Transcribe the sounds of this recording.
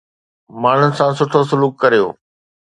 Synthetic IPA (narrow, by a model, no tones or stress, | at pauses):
maːɳ̤ʊnɪ̆sãːsʊʈʰosʊluːkːɐɾijo̰ː